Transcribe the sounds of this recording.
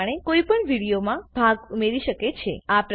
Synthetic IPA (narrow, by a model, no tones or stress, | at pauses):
ɽ̃ekoipəɳʋiɽijomãbʱaɡumeɾiʃəket͡ʃʰḛapɾ